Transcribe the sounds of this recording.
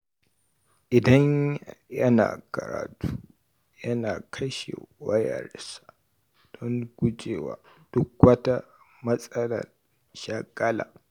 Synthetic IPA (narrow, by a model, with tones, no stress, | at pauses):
ʔɪ˨dɐ˦ɲjɐ˦na̰ː˨kɐ˨ɾa̰ː˨tuː˦ | jɐ˦naː˨kʰɐ˦ʃḛ˨wɐ˦jɐ̰˨rsḁ˨ | d̥ɔ˦ŋɡʷʊ˦d͡ʒeː˨waː˨ | d̥ʊ˦kwɐ˦ta˦ | mɐ˦sʼɐ˦lɐ̰˨r | ʃa˦˨kʼːɐ˦la̰ː˨